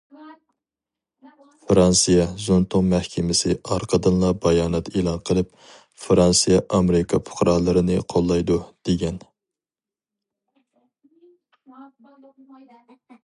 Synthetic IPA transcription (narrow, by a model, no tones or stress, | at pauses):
fɾɑnsijɑzunt̪ʰʊŋmæhkʲʰɛmɪsɪɑɾqʰəd̪ɨnlˠɑbɑjɑːnɛt̪elˠɑnqʰəlˠɨp̚ | fɾɑnsijɑʔɑmeɾɪkʰɑpʰʊ̥χɾɑːlˠɨɾɨnɨqʰolˠːɑjd̪ud̪̥eɡʲɛn